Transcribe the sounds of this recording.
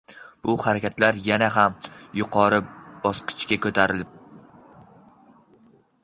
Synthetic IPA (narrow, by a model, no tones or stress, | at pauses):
b̥ʊhaɾakʲat̪laɾjanaɦamjʊqʰɒɾɪb̥ɒsqʰɨ̥t͡ʃkʲakʰɵt̪ʰaɾɪlɪp̚